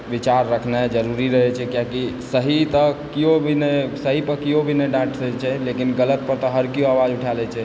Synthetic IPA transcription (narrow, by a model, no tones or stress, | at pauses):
bit͡ʃaɾːəkʰnad͡ʒəɾuɾiɾəɦɛt͡ʃʰɛkjakisəɦit̪əkiobʱinɛsəɦipəkiɦobʱineɖãʈʰsət͡ʃʰɛlekinɡələt̪̚pəɾt̪əɦəɾkioawad͡ʒuʈʰalɛt͡ʃʰɛ